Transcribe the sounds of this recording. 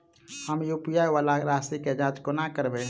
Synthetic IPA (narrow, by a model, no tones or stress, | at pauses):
həmjupijajʋalaɾasiked͡ʒãt͡ʃkonakəɾbɛ